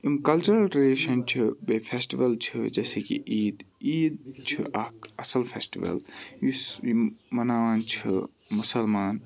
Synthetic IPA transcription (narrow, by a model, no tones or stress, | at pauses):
imkɐlt͡ʃuɾɐlʈɾiliːʃɐnt͡ʃʰibefʰesʈiʋɐlt͡ʃʰɨd͡ʒɐːseːkḭʔiːd̪iːd̪̚t͡ʃʰiʔɐkɐsɐlfʰesʈḭʋɐ̰ljisimɐnaːʋaːnt͡ʃʰi | mʊsɐlmaːn